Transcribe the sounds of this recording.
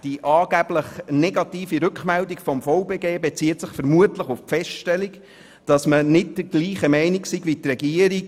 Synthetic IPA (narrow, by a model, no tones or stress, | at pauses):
d̥iʔɑːɡ̥æb̥ləχnɛɡɑtiːfiɾʉkχmɛldikfɔmfɔʊbeːɡeːbɛt͡siːət̪səχfəɾmuətləχʊfpfɛʃttɛlik | d̥ɑsmənɪt̚d̥əɡ̥liːχəmɛɪniksiɡʋitrɛɡiəɾik